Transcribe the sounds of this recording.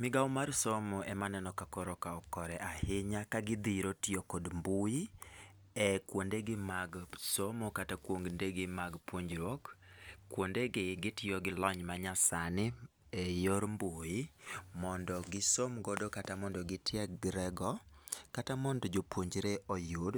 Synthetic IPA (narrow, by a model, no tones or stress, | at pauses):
mɪɡawmarsomɔʔɛmanɛnɔkakɔɾɔkaɔkɔɾɛʔahɪɲakaɡɪd̪iɾotiokɔdmbuji | ɛkwondeɡɪmaɡsomokatakwoŋɡndeɡɪmaɡpwoɲd͡ʒɾwokkːwondeɡɪɡɪtɪjɔɡɪlɔɲmaɲasanɪ | ɛjoɾmbujimɔndɔɡɪsomɡɔdokatamɔndɔɡɪtɪɛɡɾɛɡɔkatamɔndɔd͡ʒopwoɲd͡ʒɾeʔɔjʊd